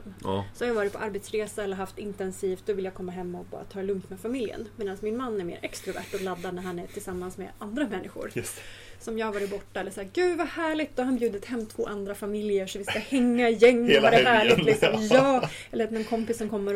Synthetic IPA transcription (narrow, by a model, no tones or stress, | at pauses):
msɔhaɾjɑːvɑːɾɪt̪̚pʰɔʔaɾbɛt̪sɾeːsaɛlːəɾɦaft̪ɪnt̪ɛnsiːft̪̚d̪ɔvɪljaːɡkʰɔmːaɦɛmːaɔk̚bɑ̰ːɾa̰t̪ʰɑːlɵmt̪mɛfamɪljə̰nmeːd̪ansmɪnmanːæɾmḛːɾʔɛ̰kst̪ɾʊvæ̰ʈat̪lad̪ːanæɾɦhanæʈʰɪlsamːansmɛ̰and̪ɾamɛnːɪɧʊ̰ɾsɔmjɑːhavɑːɾɪt̪̚bɔʈːaɛlːəʂæːɾɡʉ̟ːvahæːɭɪɡt̪d̪̥ɔhanbjʉ̟ːd̪ət̪hɛmːt̪ʰv̥o̰ːʔand̪ɾafamɪljəʂɔvɪskahɛŋːaɪjɛŋːvaɾɛɦæːɭɪɡ̪lɪksɔmjɑː | ɛlːəmɛnkʰɔmpɪsːɔmkʰɔmːəɾ